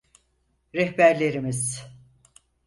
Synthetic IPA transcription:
ɾɛhbæɾlʲe̞ɾimiz̥

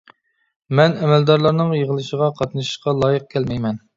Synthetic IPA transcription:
mɛnɛmɛld̪ɑɾlˠɑɾnɨŋjəʁəlˠɨʃəʁɑqʰɑt̪nɨʃɨ̥ʃqɑlˠɑːjəq̚kʲʰɛlmɛjmɛn

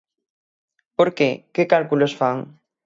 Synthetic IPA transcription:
poɾkekekalkulosfaŋ

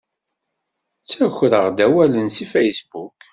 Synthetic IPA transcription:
t͡sːæçɾəʁd̪æwælənsifejsbuk

